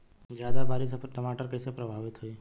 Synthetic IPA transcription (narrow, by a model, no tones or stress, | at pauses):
d͡ʒjaːd̪abaːɾis̬ʈɐmaːʈəɾkɛːsepɾɐbʱaːʋɪt̪ɦoiː